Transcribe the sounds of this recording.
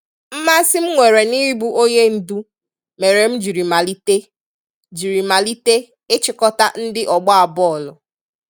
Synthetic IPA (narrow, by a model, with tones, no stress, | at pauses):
m̩˦ma˦sɪ˦m̩˦ŋʷe˨ɾe˨ni˦ɾi˦bu˦ʔo˦ɲe˦n̩˨du˦ | me˨ɾe˨m̩˦d͡ʒi˨ɾi˨ma˨li˦te˦ | d͡ʒi˨ɾi˨ma˨li˦te˦ | ɪ˦t͡ʃɪ˨kɔ˦ta˦n̩˦dɪ˦ʔɔ˨ɡ͡bɔ˦a˨bɔ˦ɔ˨lʊ˨